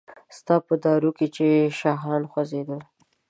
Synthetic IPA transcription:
st̪ɑpəd̪ɑɾuket͡ʃeʃɑɦɾɑnxwazed̪əl

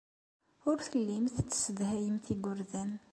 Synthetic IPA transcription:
ʊɾθəlːimθt͡sːsəd̪hæjəmθiɡʊɾðæn

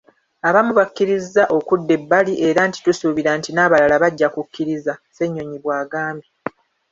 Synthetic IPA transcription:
aβamuβakːiɾizːaʔo̞kudːe̞bːaliʔe̞ɾanti̥tusuβiɾaːntinaːβalalaβaɟːakukːiɾizase̞ɲːo̞ɲiβwaːɡaːmbi

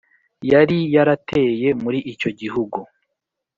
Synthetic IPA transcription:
jaɾijaɾatʰe̞ːje̞muɾiʔico̞ɟiɦuɡu

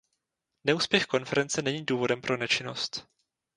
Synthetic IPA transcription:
nɛuːspjɛxko̞nfɛɾɛnt͡sɛnɛɲiːduːvo̞dɛmpɾʔo̞nɛt͡ʃɪno̞st̪

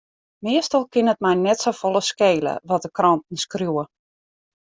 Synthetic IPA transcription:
mɪəstɔlˠkɪnət̚mɛjnɛtsowfolˠəskeːlə̰ʋɔt̚dəkrɔntn̩skrjuwə

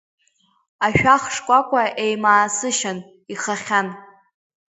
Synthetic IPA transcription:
aʃᶣaχʂkʷʼakʷʰaʔejmaːsɨʃan | iχaχʲan

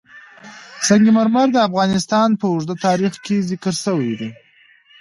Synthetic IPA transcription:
saŋɡimaɾmaɾd̪əafɣɑnɪst̪ɑnpəʊʐd̪ət̪ɑɾixkezɪkəɾsəwajd̪i

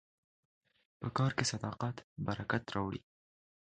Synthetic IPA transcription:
pəkɑɾkesad̪ɑqat̪baɾakat̪ɾɑwɽḭ

